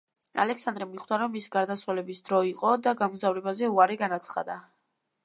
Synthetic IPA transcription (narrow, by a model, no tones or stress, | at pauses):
a̰lɛksand̪ɾɛmiχd̪aɾɔmːisi̥ɡaɾd̪atswalɛbisd̪ɾɔiqʼɔd̪aɡamɡzavɾɛbazɛuaɾɛɡanat̪sʰχa̰d̪a